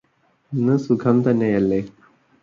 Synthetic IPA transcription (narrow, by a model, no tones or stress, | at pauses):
nːɨsukʰɐmt̪ɐnːejɐlːe